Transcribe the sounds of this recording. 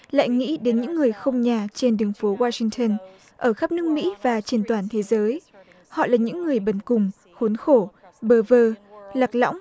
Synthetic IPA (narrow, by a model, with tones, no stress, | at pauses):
la̰ː˧˨jŋḭ˧˥ɗe˨˦nɲɨ̰˧˥ŋːɨ˨˩əjxə˧wŋ͡mɲaː˨˩t͡ɕe˧nɗɨ˨˦əŋfo˨˦waː˧sï˧ŋt̪ʰə˧n | ʔəː˧˩xaː˦˥p̚nɨ˦˥ək̚mḭ˧˥vaː˨˩t͡ɕe˧nt̪waː˧˩nt̪ʰe˨˦zəː˨˦j | hɔ̰˧˨laː˨˩ɲɨ̰˧˥ŋːɨ˨˩əjɓə˨˧˩nkʊ˨˩ŋ͡m | xo˨˦nxo˧˩ | ɓəː˧˩vəː˧la˨˩k̚lɔ̰˧˥wŋ͡m